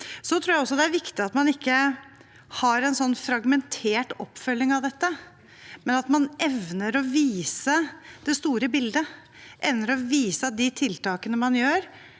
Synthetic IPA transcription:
sɔt̪ʰɾuːɾjæɪɔsːɔd̪ɛæɾʋɪkt̪ɪɑt̪mɑnɪkːə | hɑɾɛnsɔnːfɾɑɡmɛnt̪ʰeːʈɔ̰pːfœlːɪŋɑʋd̪ɛt̪ːə | mɛnɑt̪mɑnʔɛʋnəɾɔʋiːsəd̪̥ɛst̪uːɾəbɪld̪ə | ʔɛʋnəɾɔʋiːsɑd̪ɪt̪ʰɪlt̪ɑːkənəmɑnjøːɾ

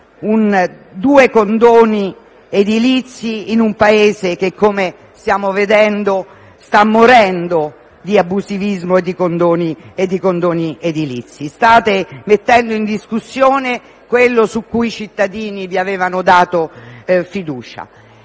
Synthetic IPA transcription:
un | d̪uːekond̪oːni | ed̪ilit̪sːiːnumpaeːzek̟ekːome | st̪jaːmoved̪ɛnd̪o | st̪amːoɾɛnd̪o | d̪iabːuzivizmoed̪ːikond̪oːnied̪ːikond̪oːnied̪ilḭt̪sːist̪aːt̪emet̪ːɛnd̪oind̪iskusːjoːne | kwelːosukːuit͡ʃit̪ːad̪iːniviaveːvanod̪aːt̪ofid̪uːt͡ʃa̰

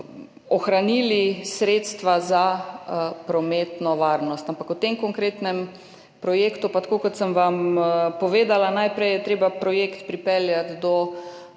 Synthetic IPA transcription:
ɔxɾaniːlisɾeːt̪st̪ʋaza | pɾɔmet̪nɔʋaɾnɔst̪ampakwt̪emkɔŋkɾeːt̪nɛm | pɾɔjeːkt̪upat̪ḁkoːkɔt̪səmʋampɔʋeːd̪alanajpɾɛjɛt̪ɾeːbapɾɔjeːkt̪pɾipɛljat̪d̪ɔ

